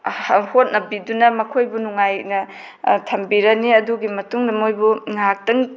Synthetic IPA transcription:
hhot̚nɐbidunɐmɐkʰojbunuŋajnɐ | tʰɐmbiɾɐniɐduɡimɐtuŋdɐmojbuŋak̚tɐŋ

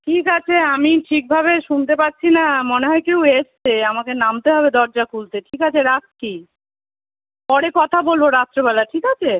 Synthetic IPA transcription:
ʈʰikat͡ɕʰeamiʈʰik̚bʱabeʃunt̪̬epat̪ːɕʰinamoneɦɔekeweʃt͡ɕeamakenamt̪eɦɔbed̪ɔɾd͡ʑakʰult̪eʈʰikat͡ɕʰeɾaski | pɔɽekɔt̪ʰabolboɾat̪ːɾobɛlaʈʰikat͡ɕʰe

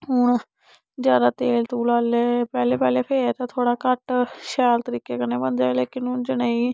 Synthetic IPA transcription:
hʊɳ̃ | d͡ʒjaːd̪aːt̪eːlt̪uːlaːleːpɛːleːpɛːleːpʰeːɾt̪ãːt̪ʰoːɽaːkəʈʃɛːlt̪əɾiːkeːkəneːbənd̪eːleːkɪnʊd͡ʒənaːiː

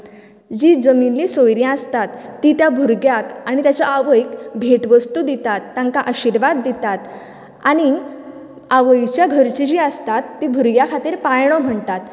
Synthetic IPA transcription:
d͡ʑiːd͡zəminlisojɾjãəst̪at̪ːit̪jabʱuɾɡjakaɽ̃it̪jat͡ɕaʔaʋəjkbʱeʈʋəst̪ud̪it̪at̪ːjãŋkaʔəɕiɾʋad̪ːit̪at̪ | aɽ̃i | aʋəjt͡ɕjaɡʱəɾt͡ɕid͡ʑiəst̪at̪ːibʱuɾɡjakʰat̪iːɾpajɽ̃ɔm̤əɳt̪at̪

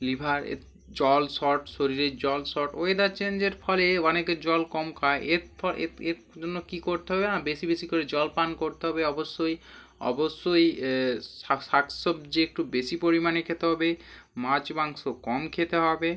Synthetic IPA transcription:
libʱaɾḛ | d͡ʑɔlsɔɾʈʃoɾiɾeɾd͡ʑɔlsɔɾʈoed̪at͡ɕend͡ʑeɾfʰɔleɔneked͡ʑɔlkɔmkʰaeʔeɾpʰɔlʔeeɾ | d͡ʑonːokikoɾt̪eɦɔbenabeʃibeʃikoɾed͡ʑɔlpankoɾt̪eɦɔbeɔboʃːoj | ɔ̰boʃːoj | asaksobd͡ʑeek̚ʈubeʃipoɾimanekʰet̪eɦɔbemat͡ɕbaŋsokɔmkʰet̪eɦɔbe

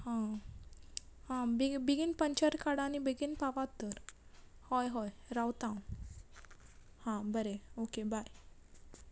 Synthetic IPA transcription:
hã | hãbibiɡinpəɲt͡ɕaɾkaɽanibiɡinpaʋat̪ːəɾ | hɔjɦɔjɾawt̪ãw̃ | hãbəɾeokebaj

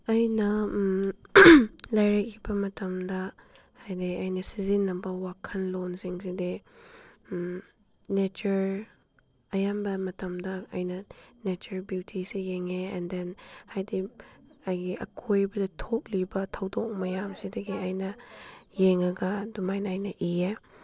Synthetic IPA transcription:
ɐjnɐm | lɐjɾɐk̚ibɐmɐtɐmdɐ | hajdeɐjnɐsizinːɐbɐwakʰɐnlonsiŋside | net͡ʃuɾ | ɐjambɐmɐtɐmdɐːjnɐnet͡ʃuɾbjutʰisejeŋeɛ̰ndɛnhajdiajɡiʔɐkʰojbɐdɐtʰok̚libɐtʰɐwdɔk̚mɐjamsideɡiɐjnɐjeŋɐɡɐdumajnajnɐʔie

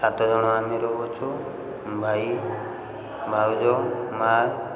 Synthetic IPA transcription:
sat̪ɔd͡ʒɔɽ̃ɔameɾobɔt͡ʃʰu | bʱaj | bʱawd͡ʒɔmaɾ

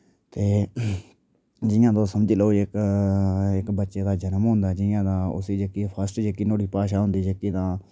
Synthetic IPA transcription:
t̪eː | d͡ʒɪjãːd̪õːsəmd͡ʒiːləoːɪk | ɪkbətːʃeːd̪aːd͡ʒənəmɦʊ̃nd̪aːd͡ʒɪjãːd̪ãːʊ̰siːd͡ʒeːkipʰəɾsʈd͡ʒeːkiːnoːɽiːpaːʃaːɦʊ̃nd̪iːd͡ʒeːkiːd̪ãː

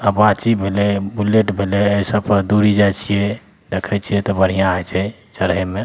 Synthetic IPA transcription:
əbãt͡ʃibʱelebuleʈbʱeleəjsəbpəɾd̪uɾid͡ʒajt͡ʃʰije | d̪ekʰɛt͡ʃʰijɛt̪ɔbəɽ̤ijãəjt͡ʃʰɛ | t͡ʃəɾɦeme

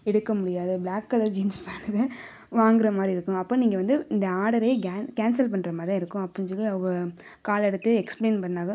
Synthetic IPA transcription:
ɛɽɯkːɐmʊɽɪjaːðɯblaːkːɐːlɐd͡ʒɪnspɐnɐðɯ | ʋaːŋɡɪɾɐmaːd̪ɾiɪɾɯkːʊ̃ɐpːoːniːŋɡɐʋɐnd̪ɯɪnd̪ɐaːɽɐɾeɡaːnkaːnsɐlpɐɳːɾɐmaːd̪ɾĩɪɾɯkːʊ̃ɐpːɐɪɲd͡ʒɔlːiɐŋɡɐ | kaːlɛɽɯt̪ːɯɛkspleːnpɐɳːaːɣɐ

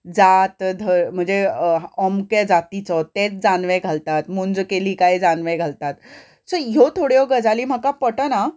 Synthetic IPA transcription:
d͡zat̪d̪ʱəɾm̤əɳd͡zeɦɔmked͡zat̪it͡sɔt̪et͡sd͡zanʋɛɡʱalt̪at̪mund͡zkeliːkajd͡zanʋɛ̃ɡʱalt̪at̪ | səɾjot̪ʰoɽjɔɡəd͡zaliːm̤akapəʈəna

